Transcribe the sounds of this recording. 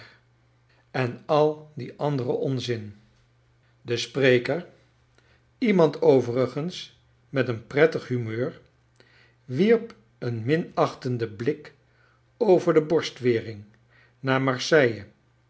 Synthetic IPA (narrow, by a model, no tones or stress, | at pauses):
ɛnɑlˠdiʔɑndərəʔɔnzɪn | dəsprejkəɹ | imɑntʰowvərəχəns | mɛtənprɛtəχɦymøːɹ | ʋiɹp | ənmɪnɑχtəndəblɪk | owvəɹdəbɔɹstʋɪːrɪŋ | naːɹmɑɹsɛjə